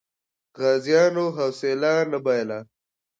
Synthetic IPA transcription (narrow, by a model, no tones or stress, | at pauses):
ɣaːzjaːnoɦɐwselaːnɐbajla